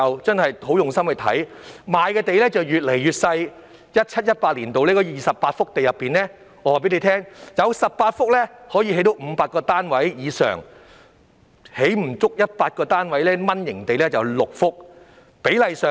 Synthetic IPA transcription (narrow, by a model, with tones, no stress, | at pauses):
ɐ˨wt͡sɐ˥ŋhɐ˨jho˨˥wjʊ˨ŋsɐ˥mhɵ˧t̪ʰɐ̰˨˥j | maː˨jkɛː˧t̪e˨˧jlɛː˥t͡sɐ˨wjyː˨t̚le˨˩jjyː˨˩t̚sɐ˧j | jɐ˥t̚t͡ʃʰɐ˥t̚jɐ˥t̚paː˧t̚liː˨˩nt̪o˨wlɛː˥kɔː˧jiː˨˩sɐ˨ppaː˧t̚fʊ˥k̚t̪e˨jɐ˨pːiː˨nlɛː˥ | ɔː˨˧waː˨p̬e˨˥jle˨˧˥tʰɛː˥ŋjɐ˨˧wsɐ˨p̚paː˧t̚fʊ˥k̚lɛː˥hɔː˨˥ji˧e˧˥jt̪o˨˧˥wm̩˨˧paː˧t̚kɔː˧t̪aː˥nwɐ˨˥jjiː˨˧sœ̰ː˨˩ŋ | he˨˥jm̩˨˩t͡sʊ˥k̚jɐ˥t̚paː˧t̚kɔː˧t̪aː˥nwɐ˨˥jlɛː˥mɐ˥njɪ˨˩ŋt̪e˨jlɛː˥t͡sɐ˨wlʊ˨k̚fʊ˥k̚ | pe˨˥jlɐ˨jsœː˨